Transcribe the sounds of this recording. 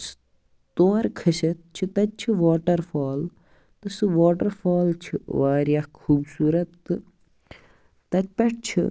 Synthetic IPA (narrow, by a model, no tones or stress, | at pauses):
s | t̪oːɾkʰɐsɐt̪̚t͡ʃʰit̪ɐt̪̚t͡ʃʰiʋaːʈɐɾfaːl | t̪ɨsɨʋaːʈɐɾfaːlt͡ʃʰiʋaːɾjakʰuːbsuːɾɐt̪ːɨ | ɐt̪̚pɐʈ̚ʰt͡ʃʰḭ